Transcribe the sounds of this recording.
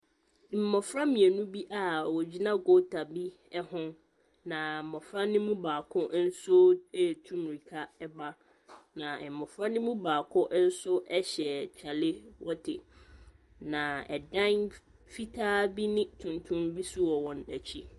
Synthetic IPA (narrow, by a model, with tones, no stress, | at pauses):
m̩˨mɔ˨fɾa˦mĩ˨e˨nũ˦bi˦ʔa˦˨wɔ˨d͡ʑi˦nã˦ɡo˦tʰa˨bi˦ | ɛ˦hʊ̃˦ | nã˨mɔ˨fɾa˦nɪ̃˦mũ˦baː˨kʰʊ˦ʔn̩˦so˦ɛ˦˨tʰũ˦mɾi˨kʰa˦ɛ˦ba˦ | nã˨mɔ˨fɾa˦nɪ̃˦mũ˦baː˨kʰʊ˦ʔn̩˦sʊ˦ʔɛ˦ɕɛ˨t͡ɕʰa˨lɪ˦wɔ˦tʰɪ˨ | nã˨ɛ̰˨dã˦n | fi˦tʰaː˦bi˦nɪ̃˦tʰʊ̃˨ntʰʊ̃˦mbi˦sʊ˦wɔ˨wɔ̃˨næ˨t͡ɕʰi˦